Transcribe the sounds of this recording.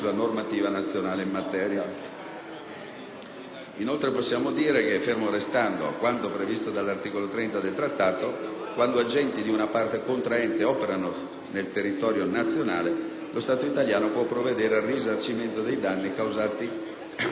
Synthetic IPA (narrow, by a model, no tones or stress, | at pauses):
ulanormat̪iːvanat̪sːjonaːleimːat̪ɛːɾja | inolt̪ɾeposːjaːmod̪iːɾekeɛfermoɾest̪and̪oa̰kwant̪opɾevist̪od̪alːart̪iːkolot̪ɾɛnt̪ad̪elt̪ɾat̪ːaːt̪okwand̪oad͡ʒɛnt̪id̪iunapart̪ekont̪ɾaɛnt̪eɔːpeɾano | nelt̪erːit̪ɔːɾjonat̪sːjonaːle | lʔost̪aːt̪oit̪aljaːnopwɔpːɾoved̪ɛːɾearizart͡ʃiment̪od̪ejd̪anːikawzaːt̪i